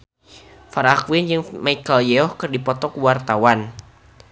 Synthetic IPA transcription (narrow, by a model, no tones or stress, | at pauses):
faɾakwind͡ʒɨŋmaikaljɛɔhkɨrdipɔt̪ɔkuwart̪awan